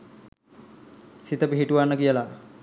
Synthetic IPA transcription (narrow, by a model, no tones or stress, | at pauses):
sit̪əpiɦiʈuʋanːəkijəla